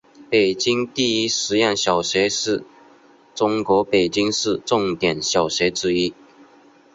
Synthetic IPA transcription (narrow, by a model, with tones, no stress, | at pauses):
pe˨˩ɪt͡ɕi˥ŋt̪i˥˧i˥ʂɻ̩˧˥jɑ˥˩ŋɕjɑ˨˩ʊɕɛ˧˥ɪʂɻ̩˥˩ | ʈ͡ʂʊ˥ŋkwɔ˧˥pe˨˩ɪt͡ɕi˥ŋʂɻ̩˥˧ʈ͡ʂʊ˥˩ŋt̪jɛ˨˩nɕjɑ˨˩ʊɕɥɛ˧˥ɪʈ͡ʂɻ̩˥i˥